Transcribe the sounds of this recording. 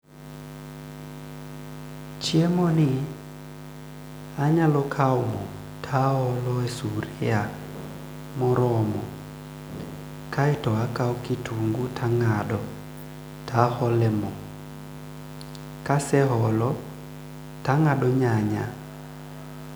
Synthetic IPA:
t͡ʃjemɔnɪ | aɲalɔkʰaɔmɔ | tʰaɔlɔesuɾia | mɔɾɔmɔ | kʰaɪtɔakaɔkituŋɡutʰaŋaɗɔ | tahɔlɛmɔ | kasɛɦɔlɔ | taŋaɗɔɲaɲa

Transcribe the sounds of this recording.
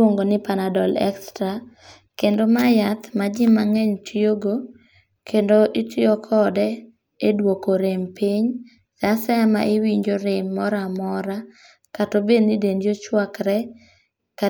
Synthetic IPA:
oŋɡonɪpanadɔlɛ̰kstɾa | kendomajat̪mad͡ʒɪmːaŋɛɲtʰioɡo | kʰendoʔitʰiɔkʰɔdɛ | edwokoɾempiɲ | sasama̰ʔɪwiɲd͡ʒoɾemːɔɾamɔɾa | katobenɪdendjot͡ʃwakɾɛ | ka

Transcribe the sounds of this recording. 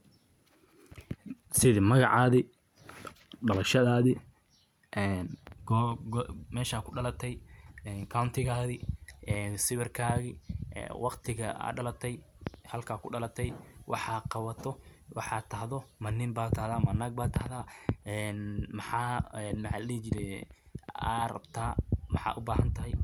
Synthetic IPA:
sɪðɪmɐɣɑ̰ʕɑːðɪ | ɖɐlɐʃɐðaːðɪ | ʔɛːn | mɛːʃaːkʰʊɖɐlɐt̪ʰɛjɛːnkʰawnt̪ʰɪɣaːðɪʔɛːnsɪβɪrkʰaːɣɪ̰wʔɑqt̪ʰɪɣɐa̰ɖɐlɐt̪ʰɛjhɐlkʰaːkʰʊɖɐlɐt̪ʰɛjwʔɑ̰ħɑːqɑwɐt̪ʰɔwɑħɑːt̪ʰɐhðɔmɐnɪmbaːt̪ʰɐhðaːmɐnaːɡ̚baːt̪ʰɐhðaːɛnmɑħɑːɛːnmɐħɑ̰ːlɛːt͡ʃɪɾɛ | a̰rɐ̰bt̪ʰaːmɑħɑ̰ːʔʊbaːɦɐnt̪ʰɐɦɛj

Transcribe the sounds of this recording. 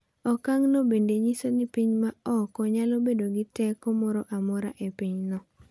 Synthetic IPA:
ɔkaŋnobendeɲisonɪpiɲmaɔkɔɲalobedoɡɪtɛkɔmɔɾɔʔamɔɾa̰ʔepiɲnɔ

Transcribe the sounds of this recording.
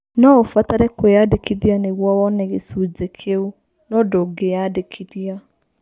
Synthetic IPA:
nɔofataɾɛkojadekiðianeɣwɔwɔneɣesud͡zekʰeu | nɔdoɡejadekʰiðia

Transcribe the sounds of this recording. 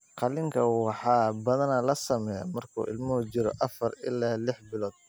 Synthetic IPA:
qɑlɪŋkʰɐwɑħɑːbɐðɐnɐlɐsɐmɛjɐ̰mɐrkʰṵːʔɪ̰lmɐɦʊt͡ʃɪɾɔ̰ʔɐfɐrɪlaːlɪħbɪlɔːd̪̥̚

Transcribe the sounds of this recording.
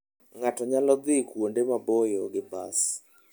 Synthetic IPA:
ŋatɔɲalɔd̪ɪkwondemabojoɡɪba̰s

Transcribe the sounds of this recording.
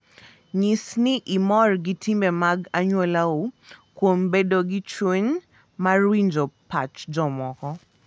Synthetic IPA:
ɲisnɪʔimɔrɡitimbɛmaɡaɲwɛlaokwombedoɡit͡ʃweɲ | marwiɲd͡ʒopat͡ʃd͡ʒɔmɔkɔ

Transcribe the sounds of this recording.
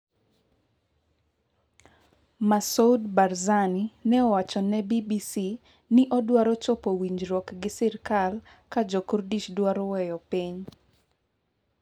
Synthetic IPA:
masoudbaɾzaninɛɔwat͡ʃɔnɛbibisi | nɪʔɔdwaɾɔt͡ʃɔpowiɲd͡ʒɾɔkɡɪsɪrkal | kad͡ʒokurdit͡ʃdwaɾɔwɛjɔpiɲ

